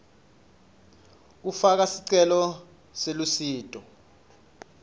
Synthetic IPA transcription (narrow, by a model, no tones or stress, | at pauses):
k̬ufak̬asiǀɛlɔ | selusiːtʼɔ